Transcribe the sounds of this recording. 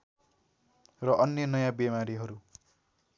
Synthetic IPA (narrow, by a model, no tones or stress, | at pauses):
rʌʔʌnjʌnʌjãbemaɾiɦʌɾu